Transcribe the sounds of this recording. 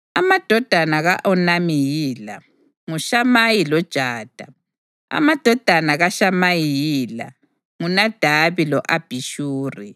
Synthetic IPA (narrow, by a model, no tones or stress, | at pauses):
amad̥ʱɔd̥ʱanaɣaʔɔnamijiːla̰ | ŋuʃamajilɔd̥ʒ̥ʱaːd̥ʱa | a̰mad̥ʱɔd̥ʱanaɣaʃamajijiːla̰ | ŋunad̥ʱaβilɔʔab̥ʱiʃuːri